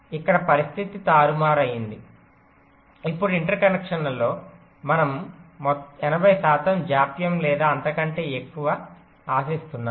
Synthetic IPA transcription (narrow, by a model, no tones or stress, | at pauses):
ikːɐɽɐpɐɾist̪ʰit̪it̪aːɾumaːɾɐjind̪i | ipːuɽuiɳʈɐɾkɐnekʂɐnlɐlo̞ː | mɐnɐmːɔɛnɐbʱɐjsaːt̪ɐmd͡ʒaːp̪jɐmlɛːd̪aːɐnt̪ɐkɐɳʈe̞ːekːuʋaː | aːsest̪unːam